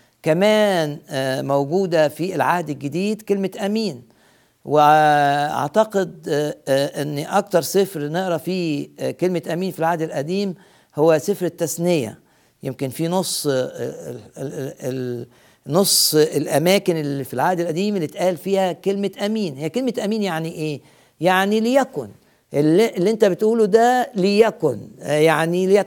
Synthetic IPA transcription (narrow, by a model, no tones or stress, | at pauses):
kæmæːnmowɡuːd̪æfielʕahd̪ɪlɡed̪iːd̪kelmeʔæmiːn | weʔa̰ʕt̪ɑqed̪̚ | ʔenːʔɑk̚t̪ɑɾˤsefɾneʔɾˤɑfikelmet̪ʔæmiːnfilʕahd̪ɪlʔæd̪iːm | howːæsefɾet̪ːæsnejæ̰ | jemkenfinosˤː | l | nosˤːelʔæmæːkɪnelːifilʕaːd̪ɪlʔæd̪iːmelːit̪ʔæːlfiːhækelmeʔæmiːnhɪjːækelmæt̪ʔæmiːnjaʕniʔeː | jaʕnilɪjækʊn | ʔelʔlːiʔent̪æbet̪ʔuːlud̪ælijækʊnjaʕniljæ